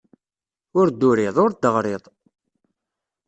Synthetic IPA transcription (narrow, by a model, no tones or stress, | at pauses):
ʊɾd̪ːuɾɪðˤʊɾd̪əʁɾeðˤ